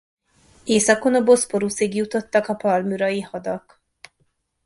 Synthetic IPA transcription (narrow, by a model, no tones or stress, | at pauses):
eːsɒko̞nɒbo̞spo̞ɾusiɡjut̪o̞t̪ːɒkɒpɒlmyɾɒjihɒd̪ɒk